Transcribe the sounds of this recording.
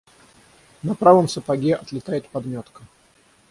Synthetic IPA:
nɐpɾavəmsəpɐɡʲeʔɐt̪lʲɪt̪ajɪt̪̚pɐd̪mʲot̪kə

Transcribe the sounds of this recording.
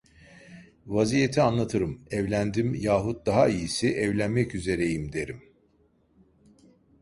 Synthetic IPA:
vazijet̪ʰianlˠat̪ʰɯɾɯmɛvlʲænd̪imjaːɦut̪̚d̪aɦaijisiʔɛvlʲænmɛcyze̞ɾe̞jimd̪e̞ɾim

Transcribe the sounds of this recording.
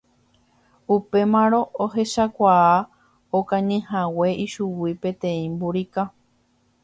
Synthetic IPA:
upe̞mãɾ̃õ̞ʔoɦe̞ʃakʷaa | okãɲɨ̃hawe̞ʔiʃuwipẽ̞t̪ẽ̞ĩmbuɾika

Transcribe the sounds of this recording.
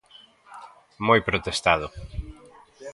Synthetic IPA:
mojpɾot̪est̪aðʊ

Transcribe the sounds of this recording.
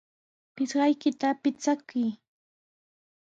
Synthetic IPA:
pɪsɢɑjkɪt̪apɪt͡sakʊj

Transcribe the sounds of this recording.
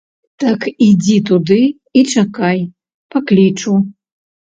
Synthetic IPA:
t̪ɐkid͡zʲit̪ud̪ɨ | it͡ʂakaj | paklʲit͡ʂu

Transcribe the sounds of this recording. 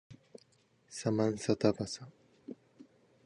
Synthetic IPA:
samansat̪apasa

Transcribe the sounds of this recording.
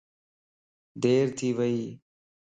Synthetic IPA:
d̪eːɾt̪ʰiːʋəiː

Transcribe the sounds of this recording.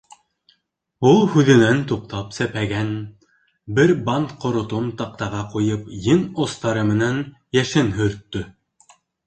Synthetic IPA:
ulˠhʉðɘ̆nænt̪uq̚t̪ɑpsæpæɡæn | bɘɾbɑnt̪qŏɾŏt̪omt̪ɑq̚t̪ɑʁɑqujɤpjɘnŏst̪ɑɾɤmɘ̆nænjæʃɘnɦɵ̆ɾt̪ːɵ

